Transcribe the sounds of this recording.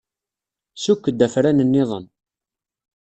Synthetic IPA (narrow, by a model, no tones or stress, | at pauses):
sukːəd̪ːæfɾænənːɪðˤə̰n